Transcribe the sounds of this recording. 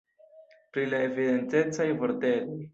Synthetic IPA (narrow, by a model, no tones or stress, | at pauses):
pɾilae̞vide̞nte̞t͡sajvoɾte̞loj